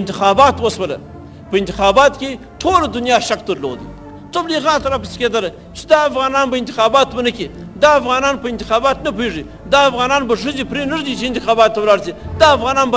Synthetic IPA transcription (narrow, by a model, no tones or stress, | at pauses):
ɪnt̪ɪxɑbɑt̪wəswəla̰ | pəɪnt̪ɪxɑbɑt̪kʲe | ʈʰolad̪ʊnjɑʃak̚d̪əɾlo̰d̪ḭ | t̪abliɣɑt̪ɾɑpasi̥ked̪əla | t͡ʃɪ̥d̪ɑːfɣɑnɑnbaɪnt̪ɪxɑbɑt̪wənəkid̪ɑafɣɑnɑnpəɪnt̪ɪ̥xɑbɑt̪nap̬eʐi | d̪ɑːfɣɑnɑnbaʂ̬əzepɾenəʐd̪it͡ʃeɪnt̪ɪxɑbɑt̪ːawlɑɽzid̪ɑːfɣɑnɑnba